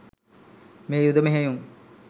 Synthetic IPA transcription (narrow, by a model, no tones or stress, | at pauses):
meːjud̪ɐmeɦejuŋ